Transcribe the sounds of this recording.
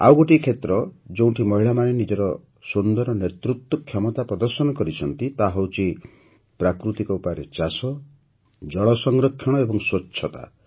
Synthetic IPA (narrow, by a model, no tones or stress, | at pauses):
a̰wɡoʈikʰet̪ɾɔd͡ʒew̃ʈʰimɔɦiɭamanenid͡ʒɔɾɔ | sund̪ɔɾɔnet̪ɾut̪wɔkʰjɔmɔt̪apɾɔd̪ɔɾsɔnɔkɔɾit͡ʃʰɔnt̪it̪aɦɔwt͡ʃʰi | pɾakɾut̪ikɔupaɾet͡ʃasɔ | d͡ʒɔɭɔsɔŋɾɔkʰːjɔɽ̃ɔebɔŋswɔt͡ʃːʰɔt̪a̰